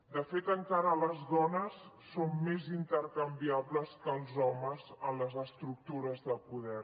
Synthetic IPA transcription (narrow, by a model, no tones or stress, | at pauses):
d̪əfet̪əŋkaɾələzðɔnəsː | omːezint̪əɾkəmbiaβləskəlˠzɔməzənləzəst̪ɾuk̚t̪uɾəzðəlˠpuðɛr